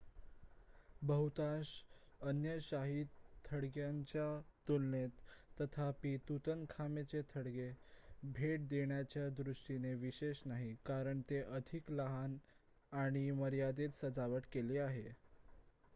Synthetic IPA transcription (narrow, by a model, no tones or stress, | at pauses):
bəɦut̪aɕənjəɕaɦid̪t̪ʰːəɽɡjaɲt͡ɕjat̪ulnet̪ːət̪ʰapit̪ut̪ənkʰamet͡ɕet̪ʰəɽɡebʱeʈ̚d̪eɳjat͡ɕjad̪ɾuʂʈineʋiɕeɕnaɦikaɾəɳt̪eʔəd̪ʱikləɦan | aɽ̃iməɾjad̪et̪səd͡zaʋəʈkeliːaɦe